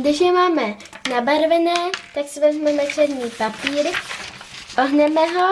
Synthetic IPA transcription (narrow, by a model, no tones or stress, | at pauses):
dɪʃjɛmaːmɛ | nabaɾvɛnɛːt̪aksɪvɛzmɛmɛtr̥ɛd̪ɲiːpapiːɾ | ʔoɦnɛmɛɦo